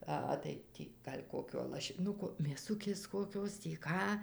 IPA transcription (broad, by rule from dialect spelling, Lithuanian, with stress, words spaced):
ɐˈɣɐ tɐɪ ˈtʲiː ˈɡɐlʲ ˈkoːkʲoː lˠɐʃʲɪˈnʊkoː mʲeːˈsʊkʲeːs koːˈkʲoːs tʲiː ˈkɑː